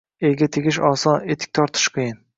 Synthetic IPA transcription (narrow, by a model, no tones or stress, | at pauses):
elɡʲat̪ʰeɡʲɪʃɒsɒne̞t̪ʰɪ̥k̚ʲt̪ʰɒɾt̪ʰɪ̥ʃqʰɨjɪn